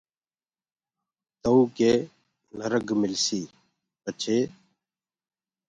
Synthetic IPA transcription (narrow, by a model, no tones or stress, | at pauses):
t̪əuːkeː | nəɾəɡmɪlsiː | pət͡ʃʰeː